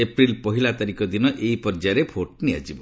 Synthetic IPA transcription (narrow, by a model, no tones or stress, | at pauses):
epɾilpɔɦilat̪aɾikɔd̪inɔʔeipɔɾd͡ʒaɾepʰoʈnia̰d͡ʒibɔ